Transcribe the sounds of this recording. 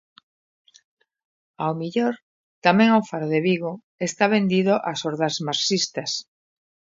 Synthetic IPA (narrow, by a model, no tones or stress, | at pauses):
awmiʎoɾ | t̪amɛ̃ŋofaɾðeβiɣo | est̪aβ̞end̪iðoʔasoɾðɐzmaɾsist̪ɐs